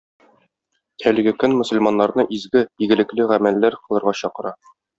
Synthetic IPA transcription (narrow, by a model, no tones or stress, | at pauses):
ælɘ̆ɡɘkɵnmɵ̆sɵ̆lmɑnːɑɾnɤʔizɡɘiɡɘ̆lɘ̆klɘʁæmælːæɾqɤ̆lˠɤ̆ɾʁɑɕɒqɤ̆ɾɑ